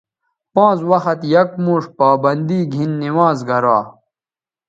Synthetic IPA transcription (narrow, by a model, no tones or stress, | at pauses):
pãːt͡swɐxɐt̪jɐkmuːʂpaːbɐnd̪iːɡʱinːiwaːzɡɐɾaː